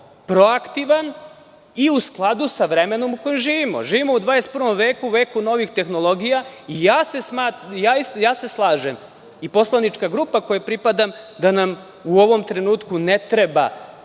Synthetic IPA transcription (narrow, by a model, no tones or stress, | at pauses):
pɾo̞akt̪iʋan | iusklˠad̪usaʋɾeme̞no̞muko̞jimʒiːʋimo̰ʒiːʋimo̞ud̪ʋaːjest̪̚prʋo̞mʋe̞ːkuuʋe̞ːkuno̞ʋixt̪e̞xno̞lˠo̞ɡijaijaːse̞smaːt̪jaːist̪ojaːse̞slˠaːʒem | ipo̞slˠanit͡ʃkaɡɾuːpako̞jepɾipad̪amd̪anam | uo̞ʋo̞mt̪ɾe̞nuːt̪kunet̪ɾe̞ba̰